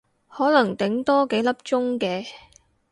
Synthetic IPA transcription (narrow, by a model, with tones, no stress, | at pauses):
hɔː˨˥lɐ˨˩ŋt̪ɪ˨˥ŋt̪ɔː˥ke˨˥jlɐ˥p̚t͡ʃʊ˥ŋkɛː˧